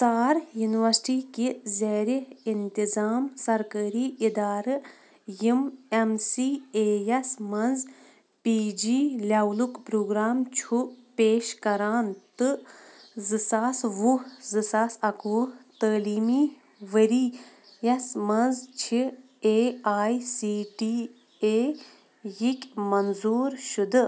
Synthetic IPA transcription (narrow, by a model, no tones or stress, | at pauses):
t͡saːɾjuniʋɐɾsʈiːkizeːɾiint̪izaːmsɐɾkəːɾiːid̪aːɾɨ | jimemsiːeːjɐsmɐnz | piːd͡ʒiːlʲawlukpɾoːɡɾaːmt͡ʃʰupeːʃkɐɾaːnt̪ɨ | zɨsaːsʋuzɨsaːsɐkʰut̪əːliːmiː | ʋəɾiː | jɐsmɐnzt͡ʃʰi | eːaːjsiːʈiː | eː | jikʲmɐnzuːɾʃud̪ɨ